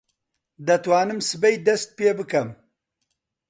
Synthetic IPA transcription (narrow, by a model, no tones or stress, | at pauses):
d̪ɐt̪wɑːnɨmsɨbɐjd̪ɐst̪̚peːbɨkɐm